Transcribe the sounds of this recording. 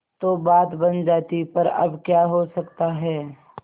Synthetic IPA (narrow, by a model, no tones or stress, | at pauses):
t̪obaːt̪bɐnd͡ʒaːt̪ipɐɾɐ̰bkjaːɦosɐkt̪aɦɛː